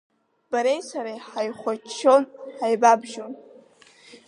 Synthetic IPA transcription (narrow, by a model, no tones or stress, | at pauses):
b̥aɾejsaɾajħajχʷat͡ʃʰːo̞nħajbabʒon